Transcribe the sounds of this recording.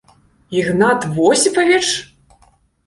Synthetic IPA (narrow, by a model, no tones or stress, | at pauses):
iɣnat̪vɔsʲipɐvʲɛt͡ʂ